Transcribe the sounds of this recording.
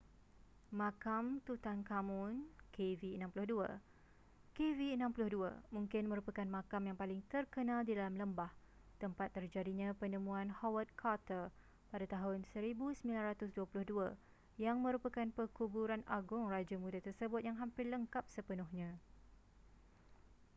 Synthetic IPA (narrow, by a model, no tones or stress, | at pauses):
mãkamt̪ut̪ankamʊ̃nkʰeviənãmpulʊhdua̰ | keviənãmpulʊhdua̰mũŋkɪnmə̃ɾupəkanmãkamjaŋpalɪŋt̪ərkənãldidalamləmbah | t̪əmpat̪ːərd͡ʒadiɲãpənəmũãnhɔwət̪̚kʰat̪ər | padat̪aɦʊnsəɾibusəmilanrat̪ʊsduəpulʊhdua | jaŋmə̃ɾupakanpəkubuɾana̰ɡʊŋrad͡ʒamudat̪ərsəbʊt̪̚jaŋɦampɪrləŋkap̚səpənʊhɲã